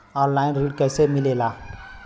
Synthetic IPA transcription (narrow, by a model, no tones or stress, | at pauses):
ɔnlainɾiɖkəjsemilela